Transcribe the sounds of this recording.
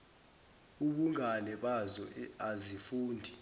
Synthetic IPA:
uɓuŋʱalɛɓazɔɛazifuːndʱi

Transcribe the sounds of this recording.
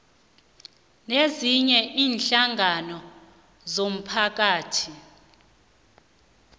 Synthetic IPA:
neziɲɛʔiːnɬaŋʱanɔ | zom̩pʰak̬aːtʰi

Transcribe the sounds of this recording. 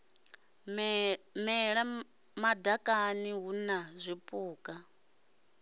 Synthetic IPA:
mɛɺa | madakʼaniɦunazʷipʼuːkʼa

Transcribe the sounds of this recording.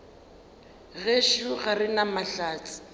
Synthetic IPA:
ɣeʃuɣarɪnamaɬaːt͡sɪ̥

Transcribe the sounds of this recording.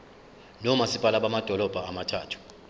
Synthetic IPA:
nɔmasipʼalaɓamad̥ʱɔlɔb̥ʱaːmatʰa̰ːtʰu̥

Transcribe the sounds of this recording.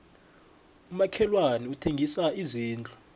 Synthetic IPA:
umakʰɛlwaniutʰeŋɡʱisaiziːnd͡ɮʱʼu

